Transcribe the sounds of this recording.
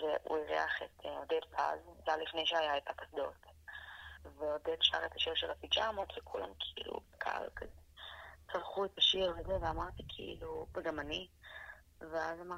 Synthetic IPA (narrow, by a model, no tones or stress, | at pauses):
veʔṵiʁḛaχetʰod̪edpʰa̰zzalifne̞jʃeajaet̪akasd̪o̰t | veodedʃa̰ʁet̪ḁʃiʁʃelafid͡ʒamot̪vekʰula̰mkʰiḭlṵkʰaa̰lkʰazet͡saʁχuet̪aʃiʁvezeveamaʁt̪ikʰḭḭluveɡamani | veazama